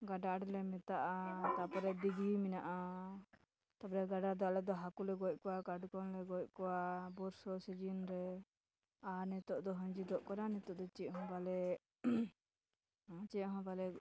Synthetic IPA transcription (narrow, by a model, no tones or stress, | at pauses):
ɡaɖaɾlɛmɛt̪aʔat̪apɔɾɛd̪iɡiminaʔa | t̪apɔɾɛɡaɖaɾd̪aʔlɛd̪ɔɦakulɛɡɔc̚ˀkɔwakaɖkɔnlɛɡɔc̚kɔwabɔɾsɔsid͡ʒinɾɛ | anɛt̪ɔʔd̪ɔɦə̃ɲd͡ʒid̪ɔʔkɔɾanɛt̪ɔʔd̪ɔt͡ʃiɦɔ̃balɛ | t͡ʃɛɦɔ̃balɛ